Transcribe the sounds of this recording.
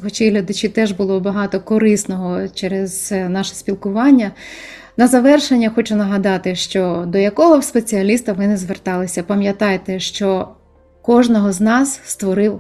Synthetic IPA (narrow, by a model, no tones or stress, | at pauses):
xɔt͡ʃejɦlʲɐd̪ɐt͡ʃit̪ɛʒbʊlˠɔbɐɦɑt̪ɔkɔɾɪsnɔɦɔt͡ʃɛɾez̥nɑʃɛ̥spʲilˠkʊʋɑnʲːɐ | nɐzɐʋɛrʃenʲːɐxɔt͡ʃʊnɐɦɐd̪ɑt̪ɪʃt͡ʃɔd̪ɔjɐkɔɦɔwspet͡sʲiɐlʲist̪ɐʋɪnɛzʋert̪ɑlˠɪsʲɐpɐmʲjɐt̪ɑjt̪ɛʃt͡ʃɔ | kɔʒnɔɦɔznɑsst̪ʋɔɾɪw